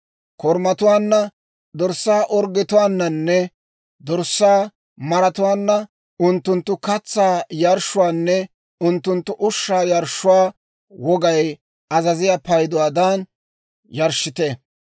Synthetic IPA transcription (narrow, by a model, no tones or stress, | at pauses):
kɔɾmɐt̪ʊwaːnːɐ | d̪ɔɾsːaːʔɔɾɡɛt̪ʊwaːnːɐnːɛ | d̪ɔɾsːaː | mɐɾɐt̪ʊwaːnːɐ | ʊnt̪ːʊnt̪ːʊkɐt͡sːaːjɐɾʃʊwaːnːɛ | ʊnt̪ːʊnt̪ːʊʔʊʃːaːjɐɾʃːʊwaː | wɔɡɐj | ɐzɐzɪjapɐjd̪ʊwaːd̪an | jɐɾʃːɪt̪ɛ